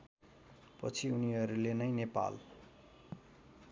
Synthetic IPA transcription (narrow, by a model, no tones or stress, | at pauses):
pʌ̰t͡sʰiuniɦʌɾulenʌjnepa̰l